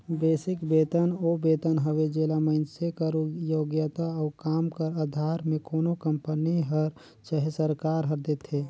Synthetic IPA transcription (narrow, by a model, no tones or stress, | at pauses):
beːsɪkbeːt̪ənoːbeːt̪ənɦəʋed͡ʒeːlaməɪnsekəɾujoːɡjət̪aɔːkaːmkəɾad̪ʱaːɾmẽkoːnokə̃mpəniɦəɾ | t͡ʃəɦesəɾkaːɾɦɐɾd̪et̪ʰeː